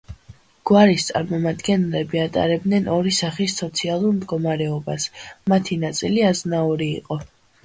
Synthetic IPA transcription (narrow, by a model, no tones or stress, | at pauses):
ɡ̥waɾist̪sʼa̰ɾmɔmad̪ɡɛnlɛbiat̪ʼa̰ɾɛb̚d̪nɛnɔɾisaχisːɔt̪sʰialˠuɾmd̪ɡɔmaɾɛɔbasmat̪ʰinat̪sʼiliaznaɔɾḭːqʼɔ